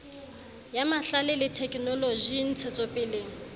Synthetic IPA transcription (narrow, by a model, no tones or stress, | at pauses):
jamaɬalɪlɪtʰɛkʼnɔloʒin̩t͡sʰɛt͡sʼɔpʼɪleːŋ̩